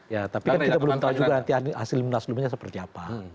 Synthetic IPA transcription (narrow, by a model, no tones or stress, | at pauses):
jat̪apikankit̪abəlʊmt̪aud͡ʒuɡanant̪iahasɪlmənaslumɲas̬əpərt̪iapa